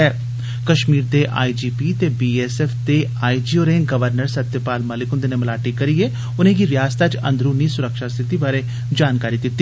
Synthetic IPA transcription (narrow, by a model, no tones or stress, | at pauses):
ɛː | kəʃmiːɾd̪eːʔa̰ːid͡ʒiːpiːt̪eːbiːɛːsɛːfʰd̪eː | aːid͡ʒiːoːɾẽːŋɡəʋəɾnəɾsət̪jəpaːlməlɪkʊnd̪eːnẽməlaːʈikəɾieː | ʊnẽːɡiʋɪjaːst̪aːt͡ʃə̰̃nd̪ɾuːniːsʊɾəkʃaːst̪ʰɪt̪iːbaːɾe | d͡ʒaːnkaːɾiːd̪ɪt̪ːi